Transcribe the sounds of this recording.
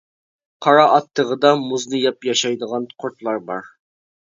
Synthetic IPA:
qʰɑɾɑʔɑt̪ʰːəʁəd̪ɑmuznɨjɑpjɑʃɑjd̪əʁɑnqʰoɾt̪lˠɑɾbɑ̰ɾ

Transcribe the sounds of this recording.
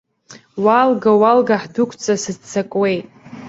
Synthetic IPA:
walɡawalɡaħdʊkʷʰt͡sʼasɨzt͡sʰːakʼwe̞jtʼ

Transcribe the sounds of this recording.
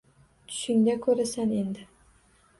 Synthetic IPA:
t̪ʰʊ̥ʃɪŋd̪akʰɵɾasane̞nd̪ɪ

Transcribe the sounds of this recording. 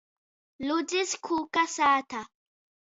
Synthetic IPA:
lʊd͡ʒɪskʰukasaːt̪ʰa

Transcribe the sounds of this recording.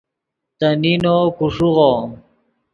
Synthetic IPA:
t̪aninokuʂuʁo

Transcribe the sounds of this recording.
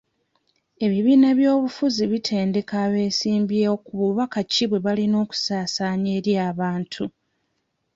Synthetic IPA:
e̞βiβiːnaβjo̞ːβufuziβitʰe̞ːnde̞kaːβe̞ːsiːmbjeokuβuβakaciβwe̞βalino̞ːku̥saːsaːɲe̞ːɾjaːβaːntʰu

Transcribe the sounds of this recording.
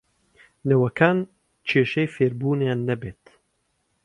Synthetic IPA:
nɛwɐkʰaːn | t͡ʃʰeːʃɛjfeːɾbuːnejanːɛbeːt̪

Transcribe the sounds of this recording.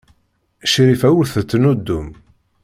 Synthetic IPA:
ʃɾifæwuθət͡s̪ːnud̪ːum

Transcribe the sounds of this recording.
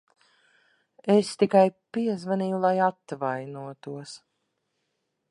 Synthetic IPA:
est̪ikajpiɛzvaniːjulˠajat̪vajnuɔt̪uɔs

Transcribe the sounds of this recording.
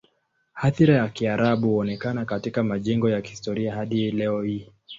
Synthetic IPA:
haθiɾajakiaɾaɓuhuɔnɛkanakatikamaʄɛŋɡɔjakihistɔɾiahaɗilɛɔhi

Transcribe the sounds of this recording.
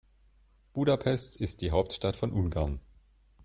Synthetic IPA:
b̥uːdapʰɛstɪst̚d̥iːɦaʊp̚tʃtatfɔnʔʊnɡaɐn

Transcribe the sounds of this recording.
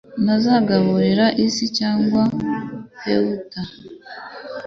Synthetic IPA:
nazaɡaβuɾiɾaʔisicaːŋɡwahḛwuta

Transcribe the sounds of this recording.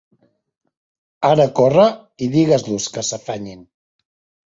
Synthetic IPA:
aɾəkorə | iðiɣəzluskəsəfaɲin

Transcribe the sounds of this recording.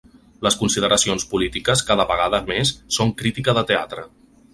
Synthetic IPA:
ləskunsið̞əɾəsionspulit̪ikəskaðəβəɣ̞aðəmesːoŋkɾit̪ikəðət̪ea̰t̪ɾə

